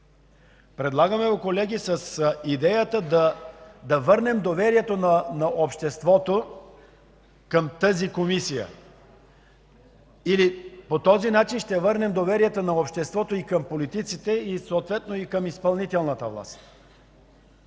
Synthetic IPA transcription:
pɾɛd̪lˠaɡəmɛokolɛɡʲisəsid̪ɛjət̪əd̪ɐd̪ɐvɤɾnɛmd̪ovɛɾiɛt̪onɐnɐʔopʃt̪ɛst̪vɔt̪o | kəmt̪əzikomisijə̰ | ilipot̪ɔzinat͡ʃinʃt̪ɛvɤɾnɛmd̪ovɛɾiɛt̪onɐopʃt̪ɛst̪vɔt̪oikəmpolit̪it̪sit̪ɛisoːt̪vɛt̪noikəmispɐlˠnit̪ɛlˠnət̪əvlˠa̰st̪

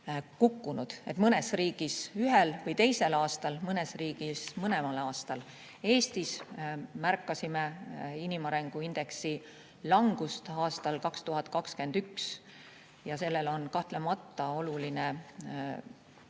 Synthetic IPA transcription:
kukːunud̪̥e̞t̪mɤne̞sriːɡ̥isyɦelvɤjt̪e̞jse̞lɑːst̪ɑlmɤne̞sriːɡ̥ismɤnemɑlɑːst̪ɑl | e̞ːst̪ismærkːˑɑsimeinimɑɾeŋɡ̥uind̪̥e̞ksi | lɑŋɡ̥ust̪ɑːst̪ɑlkɑkst̪uɦɑt̪ˑkɑkske̞nd̪̥yks | jɑse̞lːe̞lo̞nkɑht̪lemɑt̪ːɑo̞luline

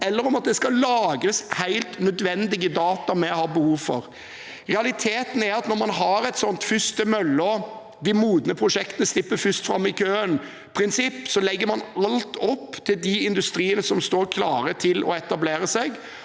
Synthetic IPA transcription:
ɛlːəɾɔmɑt̪̚d̪ɛskɑlɑːɡɾəshæɪlt̪nœd̪ʋɛnd̪ɪɡəd̪ɑːt̪ɑmɛhɑɾbəhuːʋfɔ̰ɾ | ʁɛɑlɪt̪ʰeːt̪n̩æɾɑt̪nɔɾmɑnɦɑɾɛɪt̪sɔnt̪fʏst̪əmœlːɔ | d̪ɪmuːd̪ənəpʰɾʊʂɛkt̪ənəslɪpːəɾfʏst̪fɾɑmːɪkʰøːən | pʰɾɪnsɪpːsɔlɛɡːəɾmɑnɑlt̪ʰɔpːt̪ʰɪld̪ɪɪnd̪ʉst̪ɾiːənəsɔmst̪oːɾkʰlɑːɾət̪ʰɪlʔɔ̰ɛt̪ɑbleːɾəsɛɡ

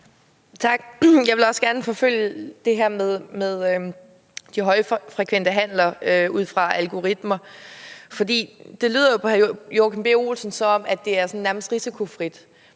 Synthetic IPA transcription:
t͡sʰɑ̈ɡ̥jɑ̈ɪʋe̝lɒ̽sɡ̥æɐnəfɒ̽føl̰jəd̥e̝ɦæɐ̰meðˠmeðˠ | d̥iɦɒ̽ɪfʁɛkʰʋen̰d̥əɦæn̰lɐøʔuð̰ˠfʁɑ̈ælɡ̥o̝ʁid̥mɐ | fɒ̽d̥ḭːd̥e̝ly̰ːð̰ˠɐjo̝pʰjoːkʰenb̥e̝olsən̩sɒ̽ɒ̽mæ̥e̝æɐsɒ̽n̩næɐməsd̥ʁisikʰo̝fʁid̥

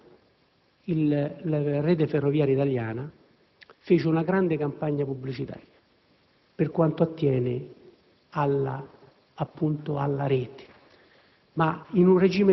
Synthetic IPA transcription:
il | reːt̪̬eferːovjaːɾjait̪aljaːna | feːt͡ʃɪunaɡɾand̪ɪkampaɲːapubːlit͡ʃit̪a̰ːɾja | pɪrkwant̪oat̪ːjɛːnɪ | alaː | pːunt̪oalːaɾɛːt̪ɪ̥ | mainunred͡ʒiːme

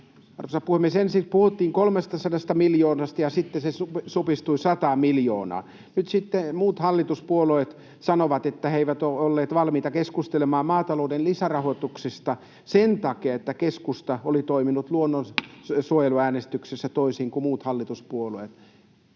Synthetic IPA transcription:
ɑ̰rʋosɑpuhemːˑiesensipuhut̪ːiːŋkolmest̪ɑsɑdɑst̪ɑmiljoːnɑst̪ɑjɑsit̪ːesesusupist̪uisɑt̪ɑːmiljo̰ːnɑ̰ː | nyt̪sit̪ːemuːt̪hɑlːit̪uspuoloet̪ | sɑnoʋɑt̪et̪ːæheiʋæt̪oolːeːt̪ʋɑlmiːt̪ɑkeskust̪elemɑːmmɑːt̪ɑloˑudenlisærɑhot̪uksest̪ɑ | sent̪ɑkeɑet̪ːækeskust̪ɑolit̪oiminut̪luonːonsuojeluæːnest̪yksesːæt̪oisiːŋkumuːt̪hɑlːit̪uspuoloet̪

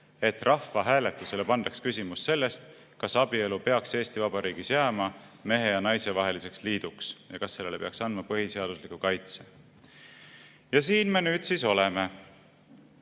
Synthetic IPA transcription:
e̞t̪ːrʔɑfːɑɦæːle̞t̪ːˑuse̞le̞pɑnd̪̥ɑkskysimusse̞lːe̞st̪ | kɑsɑbie̞lupe̞ɑkse̞ːst̪ivɑb̥ɑɾiːɡ̥isjæːmɑme̞ɦe̞jɑnɑjse̞vɑɦe̞lise̞ksliːd̪̥uksjɑkɑsːe̞lːele̞pe̞ɑksɑnd̪mɑpɤɦise̞ɑd̪̥uslikːˑukɑjt̪se | jɑsiːnme̞nyːd̪̥siso̞le̞me

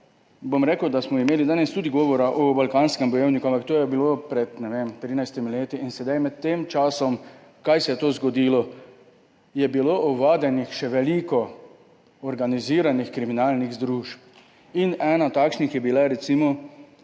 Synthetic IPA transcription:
bomɾeːkəwd̪asmɔimeːlid̪aːnɛst̪uːd̪iɡɔːʋɔɾaʔɔbalkaːnskɛmbɔjewnikuãmpakt̪oːjɛbilopɾɛt̪nɛʋeːmt̪ɾiːnajst̪imileːt̪iinsɛd̪ajmɛt̪ːeːmt͡ʃaːsɔm | kajsɛjɛt̪oːzɡɔd̪ilɔ | jɛbiloʔɔʋaːd̪ɛnixʃɛʋɛlikɔ | ɔɾɡaniziːɾanixkɾiminaːlniɣzd̪ɾuːʃp̚ | inɛːnat̪akʃnixjɛbilaɾɛt̪simɔ

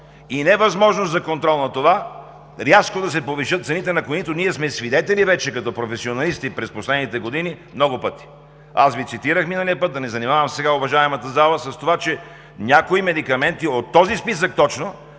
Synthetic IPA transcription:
inɛvɐzmɔʒnoszɐkont̪ɾɔlˠnɐt̪ova | ɾʲjaskod̪ɐsɛpoviʃət̪t̪sɛnit̪ɛnɐkoit̪oniɛsmɛsvid̪ɛt̪ɛlivɛt͡ʃɛkɐt̪ɔpɾofɛsionɐlist̪ipɾɛsposlɛd̪nit̪ɛɡod̪inimnɔɡʊpɤt̪i̥ | asvit̪sit̪iɾəxminəliəpɤt̪̚d̪ɐnɛzɐnimavəmsɛɡaovɐʒaɛmɐt̪ɐzalˠəsɐst̪ovat͡ʃɛ | nʲakoimɛd̪ikɐmɛnt̪iot̪ːɔzispis̬ək̚t̪ɔt͡ʃno

